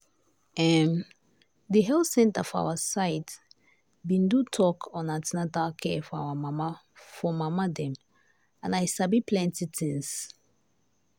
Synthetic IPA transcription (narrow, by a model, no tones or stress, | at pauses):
ɛm | diɦɛlsɛ̃ntafa̰wasaɪt | bĩndutʰɔkʰɔ̃natɛnadakʰɛfɔa̰wamama | fɔmamadɛ̃m | ãnajsabipʰlɛ̃ntitʰĩŋs